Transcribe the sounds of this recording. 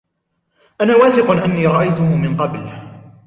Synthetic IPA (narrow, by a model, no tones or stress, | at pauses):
ʔanaːwaːθɪqʊnʔanːiːɾˤɑʔajt̪ʊhʊmɪnqɑbl